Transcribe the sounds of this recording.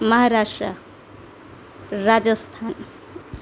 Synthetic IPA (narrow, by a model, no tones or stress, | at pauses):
məɦaɾaʂʈɾə | ɾad͡zəst̪ʰan